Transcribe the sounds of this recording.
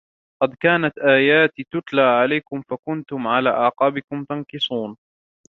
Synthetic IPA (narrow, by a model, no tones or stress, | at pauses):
qɑd̪kaːnat̪ʔaːjaːt̪it̪ʊt̪laːʕalajkʊmfakʊnt̪ʊmʕala̰ːʔɑːqɑːbɪkʊmt̪ɑnkɨsˤuːn